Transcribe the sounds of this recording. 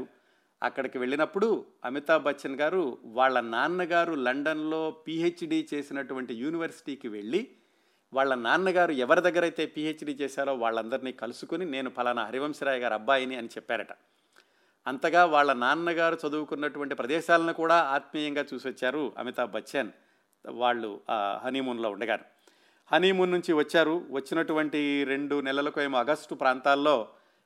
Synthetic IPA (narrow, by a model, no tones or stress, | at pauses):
ɐ̰kːɐɽɐkiʋe̞ɭːinɐpːuɽuɐ̰mit̪aːbʱɐt͡ʃːɐnɡaːɾuʋaːɭːɐnaːnːɐɡaːɾulɐɳɖɐnlo̞ːpiːet͡ʃːɖiːt͡ʃe̞ːsinɐʈuʋɐɳʈijuːniʋɐɾsi̥ʈiːkiʋe̞ɭːi | ʋaːɭːɐnaːnɐnɐɡaːɾuɛʋɐɾid̪ɐɡːɐɾɐjt̪e̞ːpiːeːt͡ʃːɖiːt͡ʃɛːʃaːloːʋaːɭːɐnd̪ɐɾiniːkɐlusukunine̞ːnupɐlɐnɐɦɐɾiʋɐmʃɐɾaːjɡaːɾɐbːaːjɐniɐnit͡ʃɛpːaːɾɐʈɐ̥ | ɐnt̪ɐɡaːʋaːɭːɐnaːnɐnɐɡaːɾut͡ʃɐd̪uwukunːɐʈuʋɐɳʈipɾɐd̪ɛːʃaːlɐnikuːɽaːaːt̪̚miːjɐŋɡaːt͡ʃuːsiʋɐt͡ʃːaːɾuɐ̰mit̪ɐbʱɐt͡ʃːen | ʋaːɭːṵɦɐniːmuːnlo̞ːuɳɖɐɡa̰ːnu | hɐniːmuːnːuɲt͡ʃiʋɐt͡ʃːaːɾuʋɐt͡ʃːinɐʈuʋɐɳʈiɾe̞ɳɖunɛlɐlɐkueːmuɐɡɐsʈupɾaːnt̪aːlːo̞ː